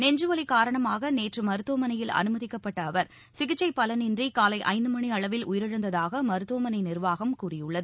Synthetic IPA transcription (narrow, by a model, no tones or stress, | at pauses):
nɛɲd͡ʒɯʋɐlikaːɾɐɳɐmaːɣɐneːʈrɯmɐɾɯt̪ːoːmɐnɐjɪlɐ̰nɯmɐðɪkːɐpːɐʈːɐːʋɐɾ | sɪɣɪt͡ʃːɐɪpːɐlɐnɪndrikaːlɐɪʔɐ̰ɪnd̪ɯmɐɳiɐɭɐʋɪlʊjɪɾɪɻɐnd̪ɐðaːɣɐmɐɾɯt̪ːoːmɐnɐɪnɪrʋaːɣɐmkuːrɪjɯɭːɐðɯ